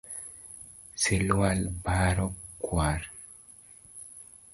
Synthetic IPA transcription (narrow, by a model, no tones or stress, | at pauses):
selwalbaɾɔkːwaɾ